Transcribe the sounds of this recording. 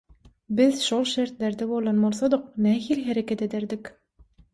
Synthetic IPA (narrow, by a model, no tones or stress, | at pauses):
bizʃolˠʃeɾt̪leɾd̪eβolˠonbolˠsod̪uq̚næːɦilɦeɾekʲet̪ed̪eɾd̪ik